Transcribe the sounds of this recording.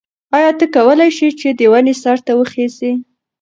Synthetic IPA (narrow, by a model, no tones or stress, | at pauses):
ɑjɑt̪əkawəlajʃit͡ʃed̪əwanesaɾt̪awəxezi